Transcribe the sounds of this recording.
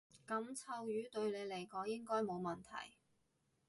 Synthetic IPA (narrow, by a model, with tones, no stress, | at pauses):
kɐ˨˥mt͡sʰɐ˧wjyː˨˥t̪ɵ˧ɥle˨˧jle˨˩jkɔː˨˥ŋjɪ˥ŋkɔː˥jmo˨˧wmɐ˨˩nt̪ʰɐ̰˨˩j